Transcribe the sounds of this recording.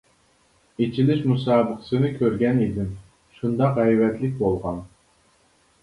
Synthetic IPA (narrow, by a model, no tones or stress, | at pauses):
et͡ʃʰilɪʃmusɑːbəqsɨnɨkʲʰøɾɡʲɛnid̪ɪm | ʃund̪ɑqʁɛjvɛt̪lɪk̚ʲbolˠʁɑn